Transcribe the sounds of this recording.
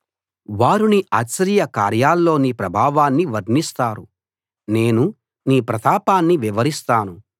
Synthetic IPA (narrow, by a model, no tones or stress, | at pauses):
ʋaːɾuniʔaːt͡ʃɐɾijɐkaːɾjaːlːo̞ːniːpɾɐbʱaːʋaːnːiʋɐɾnist̪aːɾu | ne̞ːnu | niːpɾɐt̪ʰaːpaːnːiʋiʋɐɾist̪aːnu